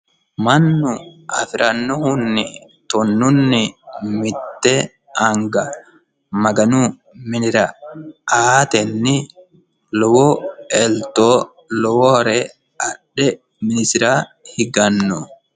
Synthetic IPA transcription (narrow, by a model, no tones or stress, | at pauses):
mɐnːʊʔɐ̰fɪɾʔɐnːɔhʊnːɪ | t̪ɔnːʊnːɪmɪt̪ːɛ | ɐŋɡɐ | mɐɡɐnuː | mɪnɪɾɐʔaːt̪ɛnːɪ | lɔwɔɛlt̪oː | lɔwɔhɾɛ | ɐᶑɛ | mɪnɪsɪɾaːhɪɡɐnːɔ